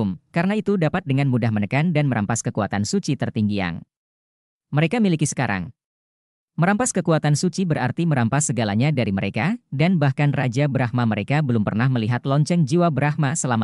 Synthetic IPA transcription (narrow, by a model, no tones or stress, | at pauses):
mkaɾənait̪udapat̪̚dəŋanmudahmənəkandanməɾʔa̰mpaskəkuat̪ansut͡ʃit̪ərt̪iŋɡia̰ŋ | məɾekamilikisə̥kaɾa̰ŋ | məɾampaskəkuat̪ansut͡ʃibəɾart̪iməɾampasːəɡalaɲadaɾiməɾekadanbahkanrad͡ʒabəɾahmaməɾekabəlʊmpərnahməliɦat̪lɔɲt͡ʃɛŋd͡ʒiwabəɾahmasəlama